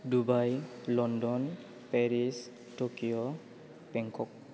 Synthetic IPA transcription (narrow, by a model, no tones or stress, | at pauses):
dubajlɔndɔn | pɛɹis | tokijɔ | bɛŋkɔk̚